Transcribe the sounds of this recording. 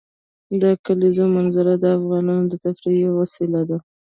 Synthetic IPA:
d̪əkalizomanzaɾad̪əafɣɑnɑnod̪ət̪afɾijewasilad̪a

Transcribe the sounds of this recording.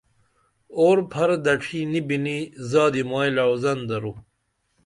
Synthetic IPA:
oːɾpʰɐɾd̪ɐʈ͡ʂʰinibinizaːd̪imaːjlawzɐnd̪ɐɾu

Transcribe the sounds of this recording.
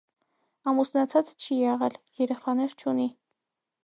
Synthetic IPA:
ɑmusnɑt͡sʰɑt͡st͡ʃʰijɛʁɛljɛɾɛχɑnɛɾt͡ʃʰuni

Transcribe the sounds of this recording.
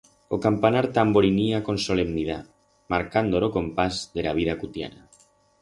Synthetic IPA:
okampanaɾt̪amboɾiniakonsolemniða̰ | maɾkand̪oloko̞mpazðelaβ̞ið̞akut̪ja̰na

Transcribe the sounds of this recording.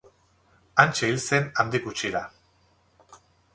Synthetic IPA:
ant͡ʃeilse̞nand̪ikut͡ʃiɾa

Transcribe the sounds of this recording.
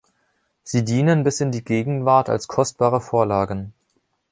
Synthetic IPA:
z̥iːdiːnənbɪsɪndiːɡeːɡŋ̩vaɐtʰa̰lskʰɔst̚b̥aːʁ̞əfoːɐlaːɡən̩

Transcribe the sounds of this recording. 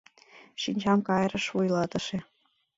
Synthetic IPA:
ʃinʲd͡ʑɑmkɑjɾɤ̆ʃvujlˠɑt̪ɤ̆ʃe

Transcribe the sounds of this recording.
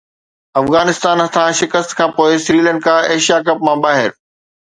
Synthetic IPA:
ɐfɣaːnɪst̪aːnɦɐt̪ʰãʃɪkəst̪kʰãːpoːɪsɾiːlə̃ɳɖ̚kaeːʃijakɐpmãːbaːɦɪɾ

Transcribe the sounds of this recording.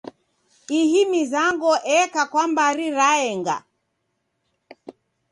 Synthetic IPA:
ihimizaŋɡɔʔɛkakwambaɾiɾaɛŋɡa̰

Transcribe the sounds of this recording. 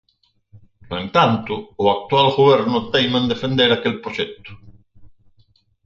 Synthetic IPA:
noẽnt̪ant̪ʊːak̚t̪walɣoβeɾnʊt̪ejmand̪efend̪eɾakelpɾoʃɛt̪ʊ̥

